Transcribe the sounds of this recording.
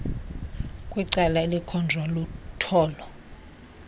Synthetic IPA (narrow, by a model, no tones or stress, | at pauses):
kʼwiǀalaelikʰɔnd͡ʒʱwalutʰɔːlɔ